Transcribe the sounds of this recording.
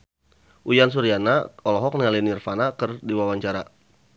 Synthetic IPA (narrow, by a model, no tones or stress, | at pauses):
ʔujans̬uɾianaɔlɔɦɔk̚nalinirfanakərdiwawaɲt͡ʃaɾa